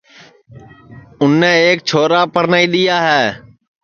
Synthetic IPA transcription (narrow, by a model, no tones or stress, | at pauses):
ʊnːɛːk̚t͡ʃʰoːɾaːpəɾnaːiːɗɪjaːɦeː